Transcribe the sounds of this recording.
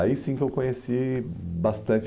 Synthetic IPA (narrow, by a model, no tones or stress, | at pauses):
aisĩkɪewkõɲesibast̪ɐ̃nt͡ʃ